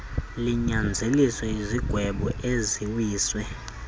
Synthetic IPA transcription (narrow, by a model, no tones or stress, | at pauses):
liɲand͡zʱelisɛiziɡ̥ʱwɛɓɔʔeziwiːswɛ